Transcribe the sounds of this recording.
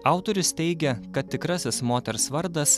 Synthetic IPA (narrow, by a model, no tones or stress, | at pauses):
ɑˑʊt̪oːɾʲʊst̪ʲɛɪɡʲɛkɐt̪̚ʲt̪ʲɪkɾɐsʲɪsmoːt̪ʲɛɾsʋɐɾd̪ɐs